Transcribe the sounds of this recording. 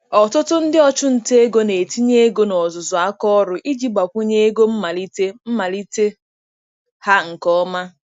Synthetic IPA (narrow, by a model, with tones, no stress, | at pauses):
ɔ˨tʊ˦tʊ˦n̩˦dɪ˦ɔ˦t͡ʃʊ˦n̩˨te˦e˦ɡo˦ne˨ti˦ɲe˦ɡo˦nɔ˨zʊ˨zʊ˨a˦kɔ˦ɾʊ˨ʔi˦d͡ʒi˦ɡ͡ba˨kʷu˦ɲe˦e˦ɡo˦m̩˦ma˨li˦te˦m̩˦ma˨li˦te˦ | ha˦ŋ̩˨kɔ˦ma˦